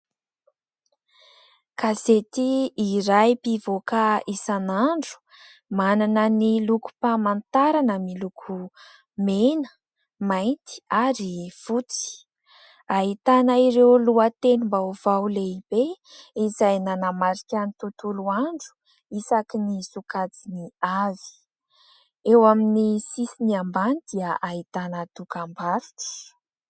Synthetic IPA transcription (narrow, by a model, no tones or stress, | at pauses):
kazet̪iːɾajpivokaisanaɳɖ͡ʐu̥ | mananəniluku̥pamant̪aɾanəmilukʰu | menə̥ | majnt̪i̥aɾifut͡si̥ | ait̪anaiɾewluət̪enimbauvawleibe | izajnanamaɾikʲanit̪ut̪uluaɳɖ͡ʐu̥ | isakinisukat͡siniavi̥ | ewaminisisiniambanid̪̥iəʔait̪anəd̪ukambaɾti̥